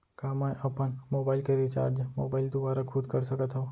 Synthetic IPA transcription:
kaːmãjʔɐpənmoːbaːɪlkeɾit͡ʃa̰ːɾd͡ʒmoːbaːɪld̪ʊbaːɾakʰʊd̪kəɾsəkət̪ɦoː

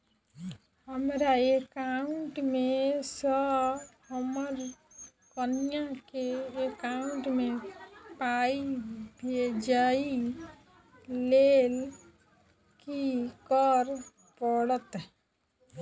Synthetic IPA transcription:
ɦəmɾaekauɳʈmẽsəhəməɾ | kənijãkeekaʊ̃ɳʈmẽpaibʱed͡ʒai | lel | kikəɾ | pəɽət̪

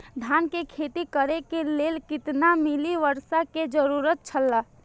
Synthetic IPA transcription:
d̪ʱaːnkekʰeːt̪ikəɾekeleːlkɪt̪namɪliʋəɾʃaked͡ʒəɾuːɾət̪̚t͡ʃʰəlːa

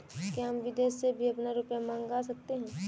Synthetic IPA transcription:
kiɦamʋɪd̪eːsːebʱiɐpnaɾʊpjamãːŋɡasɐk̚t̪eɦɛ̃ː

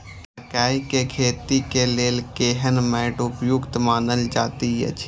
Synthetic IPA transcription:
əkaːikekʰeːt̪ikeleːlkeːɦənmɛɪʈʊpjʊkt̪mãːnd̪əld͡ʒa̰ːt̪ijə̰t͡ʃʰ

